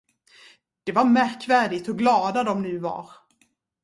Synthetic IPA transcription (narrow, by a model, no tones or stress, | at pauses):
d̪̥ɛvaɾmæɾkvæːɖɪɡt̪ɔɡlɑːd̪ad̪ɔmnʉ̟ːva̰ɾ